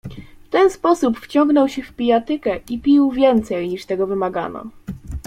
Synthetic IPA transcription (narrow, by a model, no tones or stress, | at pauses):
ft̪ɛnspɔsupft͡ɕɔŋɡnɔwɕɛfpʲijat̪ɘkɛʔipʲiwvʲjɛnt̪sɛjɲiʂt̪ɛɡɔvɘmaɡa̰nɔ̰